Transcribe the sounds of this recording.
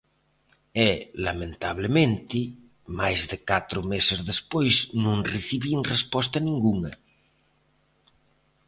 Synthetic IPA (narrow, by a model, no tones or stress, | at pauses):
ɛlamẽnt̪aβ̞lemẽnt̪i | majzðekat̪ɾʊmesezðespojznũŋreθiβiŋrespɔs̬t̪anĩŋɡuŋɐ